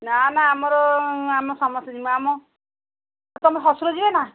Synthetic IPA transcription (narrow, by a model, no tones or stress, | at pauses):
nanaːmɔɾɔamɔsɔmɔst̪ɔd͡ʒimɔamɔ | t̪ɔmeɦɔsuɾɔd͡ʒibena